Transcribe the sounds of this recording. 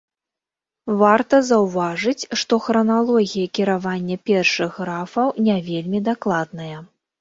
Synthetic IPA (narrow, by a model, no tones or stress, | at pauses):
vart̪ɐzɐwvaʐɨt͡sʲʂt̪ɔxɾɐnalˠɔɣʲijɐkʲiɾavanʲːɐpʲɛrʂɨɣːɾafɐwnʲɛvʲelʲmʲid̪aklˠad̪̚nɐjɐ